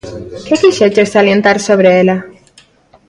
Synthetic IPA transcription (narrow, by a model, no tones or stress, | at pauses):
kekiʃet͡ʃesalje̞nt̪aɾso̞βɾeela